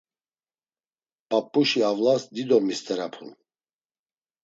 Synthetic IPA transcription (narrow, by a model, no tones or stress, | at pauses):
pʼapʼːuʃiavlasd̪id̪ɔmist̪ʰʼɛɾapʰun